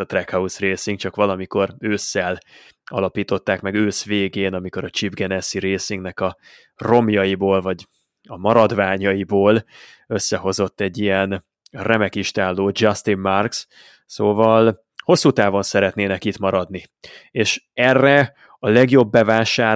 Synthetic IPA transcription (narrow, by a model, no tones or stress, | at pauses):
ɒt̪rɛkhɒusreːsiŋk̚t͡ʃɒkʋɒlɒmiko̞ɾøːsːɛl | ɒ̰lɒpiːt̪o̞t̪ːaːkmɛɡøːsveːɡeːnɒmiko̞ɾɒt͡ʃibɡɛnɛsiɾeːsiŋɡnɛkɒ | ro̞mjɒjiboːlvɒɟ | ɒmɒɾɒd̪vaːɲɒjiboːl | ø̞sːɛɦo̞zo̞t̪ːɛɟːijɛn | rɛmɛkiʃt̪aːlːoːd͡ʒɒst̪imːɒrks | soːvɒl | ho̞sːut̪aːvo̞nsɛɾɛt̪neːnɛkit̪mɒɾɒd̪ni | eːʃɛrːɛ | ɒlɛɡjo̞bːɛvaːʃaː